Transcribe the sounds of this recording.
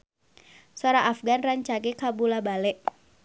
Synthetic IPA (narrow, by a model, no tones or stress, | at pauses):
sɔɾaʔafɡanraɲt͡ʃaɡɛkabulabalɛʔ